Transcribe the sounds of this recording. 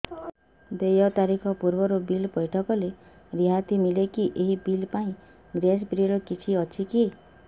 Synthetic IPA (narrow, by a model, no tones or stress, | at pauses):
d̪ejɔt̪aɾikʰɔpuɾbɔɾobilbɔjʈʰɔkɔle | ɾiɦat̪imilekiʔeɦibilpaĩ | ɡɾes̬bɾiɾɔkit͡ʃʰiɔt͡ʃʰiki